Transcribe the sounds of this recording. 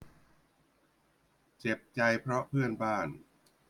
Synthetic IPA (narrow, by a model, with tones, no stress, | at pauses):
t͡ɕe˨˩p̚t͡ɕa˧jpʰɾɔ˦˥pʰɯ˥˩ənbaː˥˩n